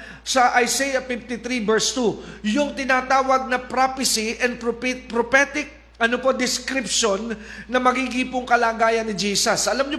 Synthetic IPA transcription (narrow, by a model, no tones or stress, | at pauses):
sɐʔɐjsejɐfɪft̪ɪt̪ɾibɛɹst̪ujʊŋt̪ɪnaːt̪aːwɐɡ̚nɐpɾapɪsiʔɛnd̪̚pppɾopɛt̪ɪk̚ | ʔɐnopo̞d̪ɪskɾɪpʃonːɐmɐɡiɡɪpʊŋkɐlaːɡaːjɐnːɪd͡ʒiːsɐsʔɐlamɲo